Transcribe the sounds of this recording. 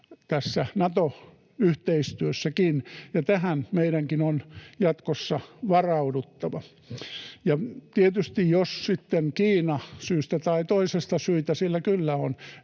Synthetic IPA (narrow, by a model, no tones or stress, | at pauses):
t̪æsːænɑt̪o | yht̪eist̪yøsːækinjɑt̪æhænmeiɾæŋkinonjɑt̪kosːɑʋɑrɑudut̪ːɑʋɑ | jɑt̪iet̪yst̪ijjossit̪ːenkiːnɑsyːst̪æt̪ɑit̪oisest̪ɑsyit̪æsilːækylːæon